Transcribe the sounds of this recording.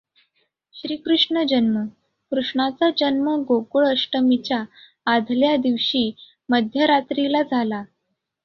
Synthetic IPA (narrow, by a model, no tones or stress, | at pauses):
ɕɾiːkɾuʂɳəd͡ʑənmə | kɾuʂɳat͡sad͡ʑənməɡokuɭəʂʈəmit͡ɕjaː | d̪ʱljad̪iʋɕiː | məd̪ʱjəɾat̪ɾilad͡zʱala